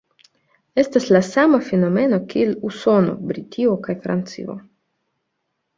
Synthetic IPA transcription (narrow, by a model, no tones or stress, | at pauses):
est̪aslasamafenomeno̞kieluso̞no̰bɾitʲʰiokajfɾa̰nt̪t͡sḭo̰